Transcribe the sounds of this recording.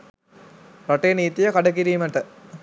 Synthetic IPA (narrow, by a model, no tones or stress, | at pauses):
ɾɐʈːeːniːt̪ːijɐkɐɖɐk̬iɾiːmɐʈːɐ